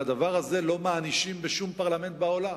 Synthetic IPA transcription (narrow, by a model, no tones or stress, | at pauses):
ad̪avaʁhaze̞lo̞maːniʃimbeʃumpaʁlame̞nt̪̚bao̞la